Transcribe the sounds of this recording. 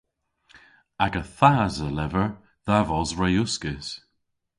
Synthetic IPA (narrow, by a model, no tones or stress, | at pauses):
aɡəθaːzəlɛvəɹ | ðavɔzɹajʊskɪs